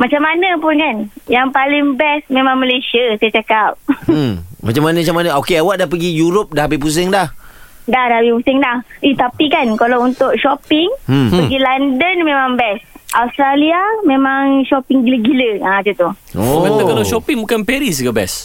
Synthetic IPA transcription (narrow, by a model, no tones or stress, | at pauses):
mat͡ʃamːanəpʊnkanjaŋpalɪŋbɛsmẽmãŋməlesiasajat͡ʃakap̩̚ | mat͡ʃamanə̃at͡ʃamanəokeawaʔdahpəɡijuɾop̚dahbip̬us̬ɪŋdahdahdahbipusɪŋdahit̪apikankalawunt̪ʊʔʃɔpɪŋ̩pəɡilandənmẽmãŋbɛsʔaust̪ɾaliamẽmãŋʃɔpiŋɡiləɡiləaad͡ʒət̪u | oat̪əkalaʃopiŋbukanpɛɾis̬ɡabɛ̰s